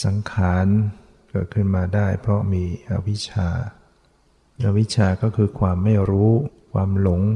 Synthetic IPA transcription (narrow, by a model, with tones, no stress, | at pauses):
sa˩˦ŋkʰaː˩˦n | kɯː˨˧˩t̪̚kʰɯ˥˩nmaː˧daː˥˩jpʰɾɔ˦˥miː˧ʔa˧wi˦˥t͡ɕʰaː˧ | ʔa˧wi˦˥t͡ɕʰaː˧kɔː˥˩kʰɯː˧kʰwaː˧mːa˥˩jɾuː˦˥kʰwaː˧mlo˩˦ŋ